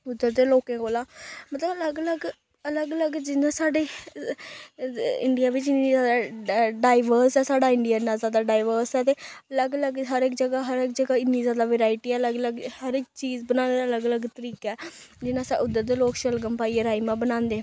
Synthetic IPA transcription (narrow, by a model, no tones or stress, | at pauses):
ʊd̪ːəɾd̪eːloːkẽːɡoːlaːmət̪ləbələɡələɡ | ələɡələɡd͡ʒɪnãːsaːɖeː | ɪ̰ɳɖijaːʋɪt͡ʃɪniːzjaːd̪aːɖaːɪʋəɾsɛːsaːɖaːɪɳɖijaːnãːzaːd̪aːɖaːɪʋəɾsɛːt̪eː | ələɡələɡɦəɾɪkd͡ʒəɡaːɦəɾɪk̚d͡ʒəɡaːɪnːiːzjaːd̪aːʋeːɾaːɪʈiːɛːələɡələɡhəɾɪk̚t͡ʃiːzbənãːneːd̪ələɡələɡt̪əɾiːkɛːd͡ʒɪnãːsaʔʊd̪əɾd̪eːloːkʃəlɡəmpaːieɾaːimãːbənãːnd̪eː